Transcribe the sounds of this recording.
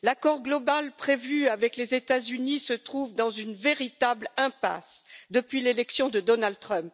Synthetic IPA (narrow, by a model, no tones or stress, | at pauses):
lakɔʁɡlɔbalpχevyavɛklezet̪azynisət̪χuvd̪ɑ̃zynveʁit̪ablɛ̃pa̰sd̪əpɥilelɛksjɔ̃d̪əd̪ɔnald̪̚t̪χœ̃p